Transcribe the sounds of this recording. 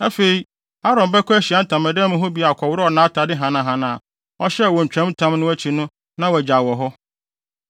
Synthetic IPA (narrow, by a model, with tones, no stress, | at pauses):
æ˦fe˨i˨˦ | a˦ɾɔ̃˨m˨bɛ˦kʰʊ˦æ˦ɕi˨a˦n̩˦tʰã˨mæ̃˨dɛ̃˦mʊ̃˦ɦʊ˦bi˨a˨kʰɔ˨wʊ˦ɾɔ˦ɔ˨nãː˨˦tʰa˨dɪ˦ɦã˨nã˨ɦã˨nã˨ | ɔ˦ɕɛ˦˨wɔ˨ɲ̩˨t͡ɕᶣɾɛ̃˦m˦tʰã˦mnʊ̃˦æ˦t͡ɕʰi˨nʊ̃˦ | nã˦wɔ˨d͡ʑa˨wɔ˨ɦɔ˦